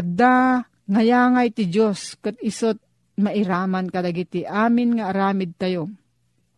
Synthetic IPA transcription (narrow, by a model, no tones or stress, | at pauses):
kad̪a | ŋajaːŋajt̪ɪd͡ʒoskɨt̪̚ɪsʊt̪̚ | maʔɪɾaːmankad̪aɡit̪ɪʔaːmɪnŋaːɾaːmɪd̪̚t̪ajo